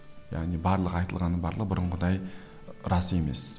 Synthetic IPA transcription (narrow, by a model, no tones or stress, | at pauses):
ja̰ʁnibɑɾlˠəqɑjt̪əlˠʁɑnːəbɑɾlˠəqbʊɾʊɴʁəd̪ɑj | ɾɑse̞me̞̰s